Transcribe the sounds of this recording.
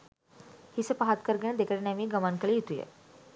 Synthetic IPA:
hisepaɦat̪kəɾɡə̃ẽd̪ekʰəɽɳamiːɡəmankəlijit̪ujḛ

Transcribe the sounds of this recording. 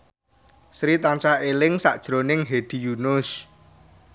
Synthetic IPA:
sɾit̪ant͡ʃaʔelɪŋsaʔd̥ʒ̥ɾo̤nɪŋɦeɖ̪̥i̤junʊs

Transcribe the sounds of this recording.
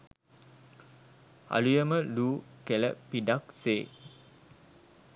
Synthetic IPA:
a̰lujəməluːkɛləpidak̚se

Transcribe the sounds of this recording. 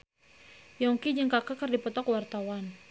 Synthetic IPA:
jɔŋkid͡ʒəŋkakakərdipɔt̪ɔkwart̪awan

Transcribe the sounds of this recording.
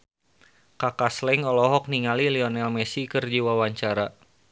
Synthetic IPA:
kakaslɛŋɔlɔɦɔk̚niŋaliliɔnɛlmɛsikərd͡ʒiwawaɲt͡ʃaɾa

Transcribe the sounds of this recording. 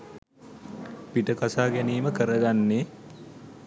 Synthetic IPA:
piʈəkasaːɡæniːməkəɾəɡanːe

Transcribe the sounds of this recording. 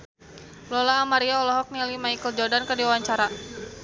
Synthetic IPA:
lɔlaːmaɾiaɔlɔɦɔk̚nilimaikəld͡ʒɔrdankərdiwawaɲt͡ʃaɾa

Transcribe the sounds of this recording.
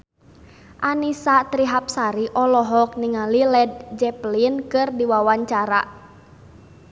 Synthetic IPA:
ʔanisat̪ɾiɦap̚saɾiʔɔlɔɦɔk̚niŋalilɛd̚d͡ʒɛplinkɨrdiwawaɲt͡ʃaɾa̰

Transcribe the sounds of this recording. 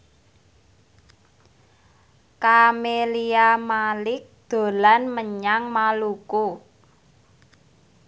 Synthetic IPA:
kameliamalɪk̚d̪̥o̤lanməɲaŋmaluku

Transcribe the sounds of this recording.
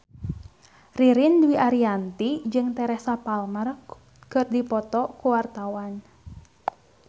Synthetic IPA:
riɾinduwiʔaɾiant̪id͡ʒɨŋt̪ɛɾɛhsapalmər | kɨrdipɔt̪ɔkuwart̪awan

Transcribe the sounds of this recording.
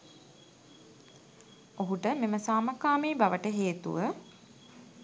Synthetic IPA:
oɦuʈəmeməsaːməkaːmiːbaʋəʈəɦeːt̪ṵʋə

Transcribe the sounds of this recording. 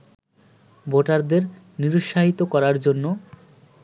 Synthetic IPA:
bʱoʈaɾd̪eɾ | niɾuʃːaɦit̪okɔɾaɾd͡ʑonːo

